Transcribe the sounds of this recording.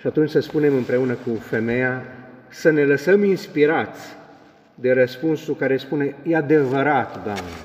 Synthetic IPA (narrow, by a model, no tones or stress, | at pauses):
ʃiat̪unt͡ʃʲsəspune̞mɨmpɾe̞unəkufe̞me̞jasəne̞ləsəminspiɾat̪sʲ | d̪e̞ɾəspunsukaɾespune̞jead̪e̞vəɾat̪d̪oa̰mne